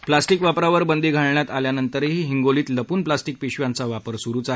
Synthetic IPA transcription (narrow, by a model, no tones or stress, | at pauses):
plasʈikʋapɾaʋəɾbənd̪ʱiːɡʱaɭɳjat̪aljanənt̪əɾeɦiːɦiŋɡoliːt̪ləpuːnplasʈik̚piɕʋjãnt͡saʋapəɾsuɾuːt͡saɦ